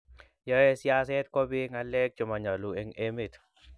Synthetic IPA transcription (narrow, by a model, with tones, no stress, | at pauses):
jɔe˦sjase˦t̪ko˦bi˦ŋa˦le˦k̚t͡ʃʊ˨ma˨ɲa˨lu˨e˦ŋemi˨t̪